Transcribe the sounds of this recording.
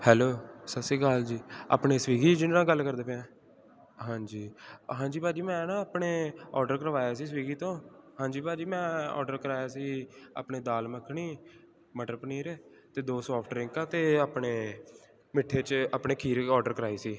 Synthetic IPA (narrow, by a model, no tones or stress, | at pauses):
hɛːloːsəsiːɡald͡ʒiːa̰ːpɳeːsəʋiːɡiːt͡ʃd͡ʒɪnnãːɡəlkəɾd̪eːpeãː | ɦãːɲd͡ʒiːɦãːd͡ʒiːpaːd͡ʒiːmɛ̃ːnãːaːpɳeːɔːɾɖəɾkəɾəʋaːjaːsiːs̬ʋiːɡiːt̪õːhãːd͡ʒiːpaːd͡ʒiːmɛ̃ːɔ̰ːɾɖəɾkəɾaːjaːsiːa̰ːpɳeːd̪aːlməkʰɳiː | məʈɾpəniːɾt̪eːd̪oːsɔːpʰʈɾɪ̃ŋkaːt̪eːaːpɳeː | mɪʈʰːeːt͡ʃaːpɳeːkʰiːɾɔːɾɖəɾkəɾaːiːsiː